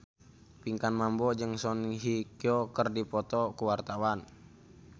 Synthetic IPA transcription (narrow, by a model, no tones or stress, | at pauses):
piŋkanmambɔd͡ʒəŋsɔnɦikiɔkərdipɔt̪ɔkuwart̪awan